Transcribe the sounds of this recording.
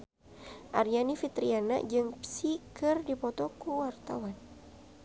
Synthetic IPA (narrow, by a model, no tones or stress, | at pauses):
ʔaɾianifit̪ɾiana̰d͡ʒɨŋpsikɨrdipɔt̪ɔkuwart̪awan